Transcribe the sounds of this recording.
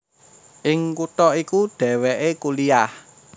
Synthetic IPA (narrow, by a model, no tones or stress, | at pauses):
ʔɪŋkut̪ɔikuɖ̪̥ɛ̤wɛʔekuliah